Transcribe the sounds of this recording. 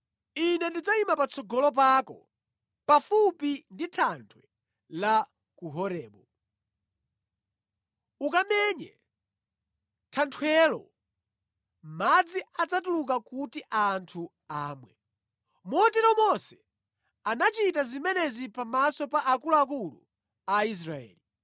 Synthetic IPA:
inɛndid͡zaimapat͡sʰɔɡɔlɔp̬akɔ̰ | pafupinditʰantʰwɛ | la | kuɦɔɾɛːɓɔ | ukamɛɲɛ | tʰantʰwɛlɔ̰ | mad͡ziat͡satuluk̬akutiʔantʰu | aːmwɛ | mɔtɛɾɔmɔsɛ̥ | anat͡ʃitazimɛnɛzipamasɔpaʔakuluak̬ulṵ | ais̬ɾaɛ̰ːli

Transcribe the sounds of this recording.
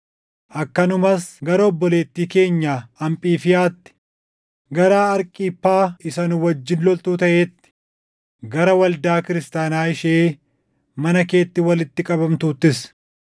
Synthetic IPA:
ʔɐkːɐnʊmɐsɡɐɾɐɔbːɔle̞ːt̪ːiːke̞ːɲːaːɐmpʼiːfɪjaːt̪ːɪ̥ | ɡɐɾaːɐɾkʼiːpːaːɪsɐnʊwɐd͡ʒːɪnlɔlt̪uːt̪ɐʔeːt̪ːɪ̥ | ɡɐɾɐwɐld̪aːkɪɾɪst̪aːnaːɪʃeː | mɐnɐke̞ːt̪ːɪwɐlɪt̪ːɪkʼɐbɐmt̪uːt̪ːɪs

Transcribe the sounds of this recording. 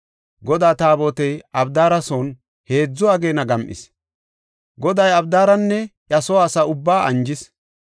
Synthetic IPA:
ɡɔd̪aːt̪aːboːt̪ɛjɐbd̪aːɾɐson | he̞ːd͡zːɔɐɡe̞ːnɐɡɐmʔɪ̰s | ɡɔd̪ɐjɐbd̪aːɾɐnːɛjɐsɔaːsɐʊbːaːʔɐnd͡ʒɪs

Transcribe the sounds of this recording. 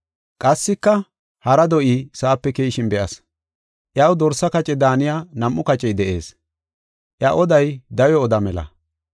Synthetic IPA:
kʼɐsːɪkːɐ | hɐɾɐd̪ɔʔisaːpːɛkejʃɪnbɛʔɐs | ʔjɐwd̪ɔɾsːɐkɐt͡ʃʼɛd̪aːnɪjaːnɐmʔːʊkɐt͡ʃʼɛjd̪ɛʔe̞̰ːs | ʔjɐʔɔd̪ɐjd̪ɐjɔːd̪ɐmɛlɐ̰

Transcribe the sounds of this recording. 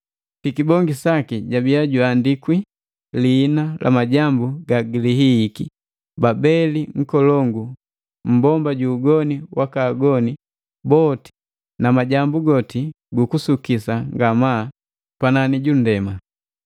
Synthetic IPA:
tikibɔŋɡisakiɟabiaɟwandikwi | liːnalʔa̰maɟambuɡaɡiliɦiːki | babɛliŋ̩kɔlɔŋɡu | m̩bɔmbaɟuːɡɔniwakaːɡɔni | bɔti̥ | namaɟambuɡɔti | ɡukusukisaŋɡamaː | pananiɟun̩dɛma

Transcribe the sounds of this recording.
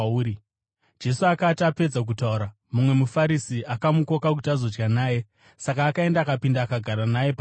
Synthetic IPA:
i | d͡ʒe̞suakatape̞d͡zak̬utauɾa | mumwe̞mufaɾisiʔakamuko̞kak̬utazo̞d͡ʒɡanaːje̞ | sakaːkae̞ndaːkapindaːkaɡʱaɾanaje̞pa

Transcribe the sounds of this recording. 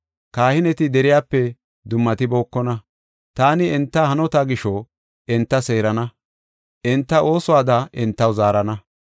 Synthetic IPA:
kaːhɪnɛt̪ɪd̪ɛɾɪjaːpːɛ | d̪ʊmːɐt̪ɪboːkːɔnɐ | t̪aːnɪɛnt̪ːɐhɐnɔt̪aːɡɪʃɔ | ɛnt̪ːɐseːɾɐnɐ | ʔɛnt̪ːɐʔo̞ːsɔwaːd̪ɐʔɪnt̪ːɐwzaːɾɐnɐ

